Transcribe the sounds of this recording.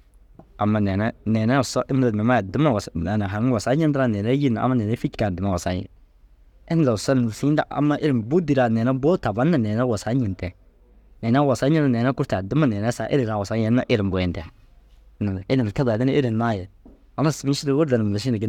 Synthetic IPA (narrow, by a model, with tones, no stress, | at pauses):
a˨mːa˨nɛ˨nɛ˦nɛ˨nɛ˦˨sɔ˦ʔɪ˦m˦ɾa˨dmɛ˨ma˦jɛ˨dɪ˦ma˨wa˨sa˨na˨ɦa˨ɾa˨sa˦ɲɪ˦ndɪɾa˦nɛ˨nɛ˦ji˦na˨a̰˨mːa˦nɛ˨nɛ˦fi˦t͡ʃka˨dɪ˨ma˦wa˨sa˦ɲɛ̰˨ | ɛ˦n˨a˨sɔ˦n˨n˨sa˨˦ɲi˦nda˦ʔa̰˨mːa˦ʔɪ˦ɾɪ˨mbu˦di˨ɾa˨nɛ˨nɛ˦bo˦ta˨ba˦na˨nɛ˨nɛ˦wa˨sa˦ɲɪ˨ntɛ˨ | nɛ˨nɛ˦wa˨sa˨˦ɲɪ˦na˦˨nɛ˨nɛ˦kʊ˦ɾta˨dɪ˦ma˦nɛ˨nɛ˦sa˨ʔɪ̰˦ɾɪ˨ɾa˨wa˨sa˦ɲɛ˨˦nːa˦ʔɪ˦ɾɪ˨m˨bʊ˨ɛ˨ntɛ˨˦ | na˨ɪ˦dɪ˨ka˦da˨dɪ˦nɛ˦ʔe˦ɾɪ˨na˦jɛ˨ | a˨na˦sɪ˨mi˦ʃi˦ɾɪ˦wʊ˦ɾda˨nɪ˨m˨ɛ˨s̬ɪ˦na˨ɡɪ˦